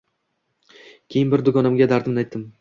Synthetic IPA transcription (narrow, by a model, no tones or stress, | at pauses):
kʲʰe̞jɪnbɪɾd̪ʊɡɒnamɡʲad̪aɾd̪ɪmnajt̪ʰːɪm